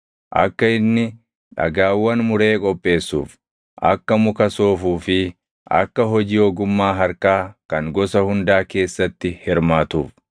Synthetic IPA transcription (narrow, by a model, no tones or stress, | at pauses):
ʔɐ̰kːɐɪnːɪ | ᶑɐ̰ɡaːwːɐnmʊɾe̞ːkʼɔpʼːe̞ːsːṵːf | ʔɐ̰kːɐmʊkɐso̞ːfuːfɪ | ʔɐ̰kːɐɦɔd͡ʒiːoːɡʊmːaːɦɐɾkaːkɐŋɡɔsɐhʊnd̪aːke̞ːsːɐt̪ːɪhɪɾmaːt̪uːf